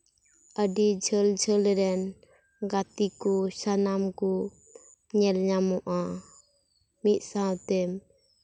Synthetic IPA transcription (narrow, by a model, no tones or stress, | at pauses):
əɖid͡ʒʱəld͡ʒʱəlɾɛn | ɡat̪ikɔsanamkɔ | ɲɛlɲamɔʔa | mit̪̚ˀsãwt̪ɛm